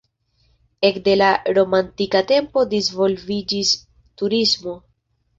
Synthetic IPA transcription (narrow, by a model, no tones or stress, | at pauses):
e̞kde̞laɾo̞mantikate̞mpo̞dizvo̞lvid͡ʒis | tuɾismo̞